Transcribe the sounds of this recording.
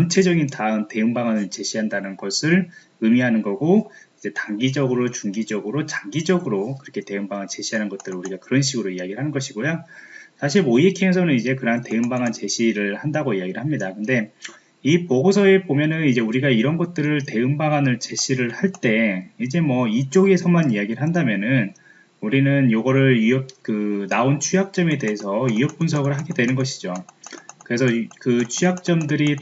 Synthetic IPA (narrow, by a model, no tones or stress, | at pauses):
ʌnt͡ɕʰe̞d͡ʑʌɡintaɯmte̞ɯŋbaɡanɯɭt͡ɕe̞ɕʰiɦandanɯnɡʌsʰɯɭ | ɯmiɦanɯnɡʌɡoid͡ʑe̞taŋɡid͡ʑʌɡɯɾot͡ɕuŋɡid͡ʑʌɡɯɾot͡ɕaŋɡid͡ʑʌɡɯɾokɯɾʌkʰe̞te̞ɯmbaɡant͡ɕe̞ɕʰiɦanɯnɡʌt̚t͈ɯɾɯɭuɾiɡakɯɾʌnɕ̬ʰiɡɯɾoijaɡiɾɯɭɦanɯnɡʌɕʰiɡojosʰaɕ̬ʰiɭoiekʰiesʰʌnɯnid͡ʑe̞kɯɾʌɦante̞ɯmbaŋant͡ɕe̞ɕʰiɾɯɭhandaɡoiaɡiɾɯɭhamɲidakɯnde̞ | ipoɡosʰʌe̞bomjʌnɯnid͡ʑe̞uɾiɡaiɾʌnɡʌt̚t͈ɯɾɯɭte̞ɯmbaɡanɯɭt͡ɕe̞ɕʰiɾɯɭhaɭt͈e̞id͡ʑe̞mwʌit͡ɕ͈oɡe̞sʰʌmanijaɡiɾɯɭɦandamjʌnɯn | uɾinɯnjoɡʌɾɯɭiʌp̚kɯnaont͡ɕʰujak̚t͡ɕ͈ʌme̞de̞ɦesʰʌijʌp̚p͈unsʰʌɡɯɭɦaɡedwe̞nɯnɡʌɕʰi̥d͡ʑokɯɾe̞sʰʌkɯt͡ɕʰujak̚t͡ɕ͈ʌmdɯɾi